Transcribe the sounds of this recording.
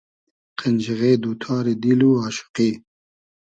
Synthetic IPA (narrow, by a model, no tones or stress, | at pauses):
qʰənd͡ʒiɣeːd̪uːt̪ʰɑːɾed̪iluɑːʃʊ̥qi